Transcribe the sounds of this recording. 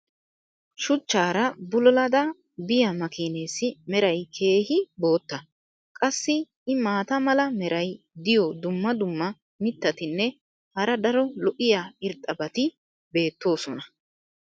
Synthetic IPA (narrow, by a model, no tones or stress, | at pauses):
ʃʊt͡ʃːaːɾɐbʊlɔlɐd̪ɐ | bɪjɐmɐkɪneːsɪmɛɾɐjkʰe̞ːhɪbo̞ːt̪ːɐ | kʼɐsːɪ | ɪmaːt̪ɐmɐlɐmɛɾɐj | d̪ɪjɔd̪ʊmːɐd̪ʊmːɐ | mɪt̪ːɐt̪ɪnːɛ | hɐɾɐd̪ɐɾɔlɔʔɪjaːɪɾt̪ʼɐbɐt̪ɪ | be̞ːt̪ːo̞ːsɔnɐ